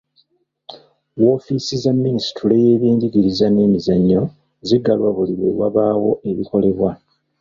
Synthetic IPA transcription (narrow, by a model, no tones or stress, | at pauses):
wo̞ːfisizamːinisi̥tule̞je̞ːβiːndiɡiɾizane̞ːmizaɲːo̞ | ziɡːalwaβuliβwe̞̰waβaːwo̞ʔe̞βiko̞le̞βwa